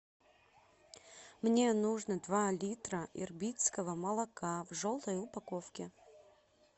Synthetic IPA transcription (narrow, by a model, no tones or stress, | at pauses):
mnʲenuʐnəd̪valʲit̪ɾəʔɪ̰rbʲit̪skəvəmɐlˠɐkavʐolˠt̪əjʊpakofkʲɪ